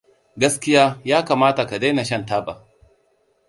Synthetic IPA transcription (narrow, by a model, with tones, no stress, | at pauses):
ɡɐ˦skʲɪ˦jaː˦jaː˦kaː˨maː˦ta˨ka˨da˦jna˨ʃɐ˦ntaː˦ba˨